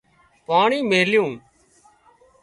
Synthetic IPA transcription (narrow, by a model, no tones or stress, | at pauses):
paːɳiːmeːljũː